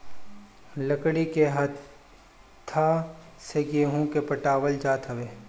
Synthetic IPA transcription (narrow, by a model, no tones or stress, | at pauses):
ləkɽikeɦɐt̪ | t̪ʰːa | seɡeːɦũkepəʈaːwəld͡ʒaːt̪ɦɐʋeː